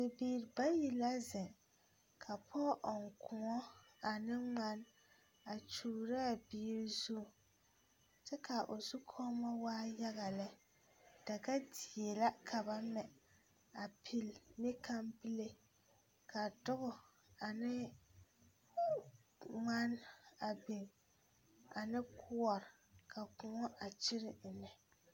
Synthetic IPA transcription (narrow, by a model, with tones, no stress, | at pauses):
bɪ˨biː˨ɾba˦ji˨la˦zɛ˨ŋ | kʰa˨pʰɔ˦ʔɔ˨ŋ˨kʰʊ˨ŋɔ˦a˨nɪ˦ŋ͡ma˦n | a˨t͡ʃuː˨ɾa˦a˨biː˦ɾi˦zu˦˨ | t͡ʃɛ˦kʰa˨ʔo˨su˦kʰɔ˦mɔ˦waː˦ja˦ɣa˨lɪ˦ | d̥a˨ɡa˦di˨e˨la˦kʰa˨ba˦mɛ˨ | a˨pʰi˦lnɪ˦kʰa˦mpɪ˦le˦ | ka˨dʊ˦ɣʊ˨ | a˨nɪ˦ | ŋa˦na˨bɪ˨ŋ | a˨nɪ˦kʰʊ˦ɔ˨ɾɪ˨ | kʰa˨kʊ˨ŋɔ˦ʔa˨t͡ʃɪ˦ɾɪ˨nɛ˨